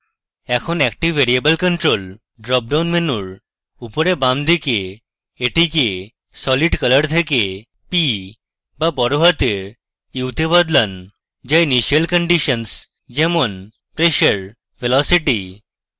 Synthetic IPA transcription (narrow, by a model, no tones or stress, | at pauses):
ɛkʰonɛk̚ʈiʋʋeɾiebəlkəɳʈɾol | ɖɾɔp̚ɖawnmenuɭ | upɔɾebamd̪ikeː | ʈʰike | sɔliɖkələɾt̪ʰeke | pi | ʋabɔɾoɦat̪e | iwt̪ʰebad̪lan | d͡ʑainiɕijəlkəɳɖiɕəns | d͡ʑemon | pɾeɕəɾ | ʋelɔsiʈi